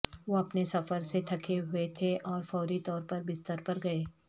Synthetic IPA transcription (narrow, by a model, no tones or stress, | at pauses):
ʋoɐpnesɐfəɾset̪ʰɐkʰeɦʊet̪ʰeʔɔːɾfɔːɾit̪ɔːɾpɐɾbɪst̪əɾpɐɾɡɐeː